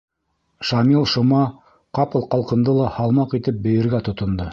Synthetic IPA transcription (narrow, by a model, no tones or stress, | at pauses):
ʃɑmilˠʃŏmɑ | qɑpɤ̆lˠqɑlˠqɤ̆nd̪ɤlˠɑhɑlˠmɑqit̪ɘp̚bɘ̆jɘ̆ɾɡæt̪ŏt̪ŏnd̪ɤ